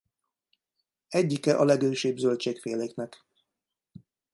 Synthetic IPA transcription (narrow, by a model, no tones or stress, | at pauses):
ɛɟːikɛʔɒlɛɡøːʃeːbzølt͡ʃeːkfeːleːknɛk